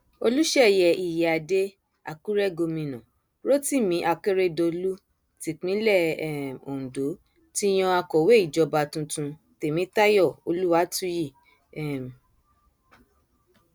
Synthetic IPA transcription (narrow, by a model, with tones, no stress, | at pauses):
o˧lu˦ʃɛ˦˨jɛ˨i˨jɛ˨a˨de˦ | a̰˨ku˦ɾɛ˦ɡo˧mĩ˧nɔ̰̃˨ | ɾo˦ti˦˨mĩ˨˦ʔa˧ke˦ɾe˦do˧lu˦ | ti˨k͡pĩ˨˦lɛ˦˨˦o˨ũ˨do˨˦ | ti˦j̃ɔ̃˧a˧kɔ˨we˦i˦˨d͡ʒɔ˨˧ba˧tũ˧tũ˧ | te˨mĩ˨˦ta˦jɔ˦˨o˧lu˦wa˦tũ˦ji˦˨ | ɛ˦˨m˨